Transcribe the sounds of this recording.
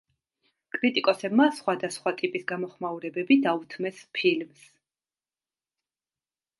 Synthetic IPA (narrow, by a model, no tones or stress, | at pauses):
kʼɾit̪ʼikʼɔsɛbmasχwad̪asχwat̪ʼipʼisɡamɔχmauɾɛbɛbid̪aut̪ʰmɛspʰilms